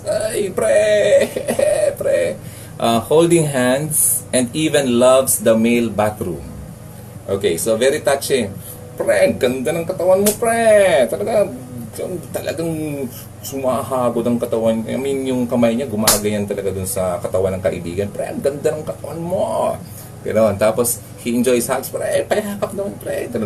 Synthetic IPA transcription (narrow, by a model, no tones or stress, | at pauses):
ʔajpɾɛ | pɾɛ | ʔahold̪ɪ̃ŋɦand̪s | ʔɛ̃nd̪iːvɛ̃nlɐvsd̪ɐmejlbat̪ɾṵm | ʔoːkejsovɛɾit̪ɐt͡ʃɪŋ | pɾɛɡɐnd̪anɐŋkɐt̪ɐwanmopɾɛt̪ɐlɐɡajɐnt̪ɐlʔɐ̰ɡaŋ | sʊmaɦaːɡod̪ɐŋkɐt̪ɐwankɐjɐmɪnjʊŋkɐmajɲaɡʊmaːɡɐjant̪ɐlɐɡad̪ʊnsɐkɐt̪ɐwanɐŋkɐʔɪ̰bḭːɡɐnpɾɛ̰ʔɡɐnd̪anɐŋkɐt̪ɐwanmo | kɐ̰noʔont̪aːpos | hiɪnd͡ʒojshat̪spɾɛpɐjaaːkap̚nɐmanpɾɛ̰t̪ɐl